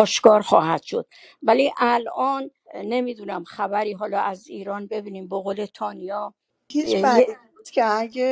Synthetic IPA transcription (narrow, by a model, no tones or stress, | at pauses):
ɒːʃkɒːɾxɒːɦæd̪̥ʃo̞̰d̪̥̚væliʔælʔɒːnː | e̞miːd̪unæmxæbæɾiːɦɒːlɒːʔæziːɾɒːnbe̞biːniːmboɣoːle̞t̪ʰɒːnijɒ | hit͡ʃæi | t̪kʰeæɡe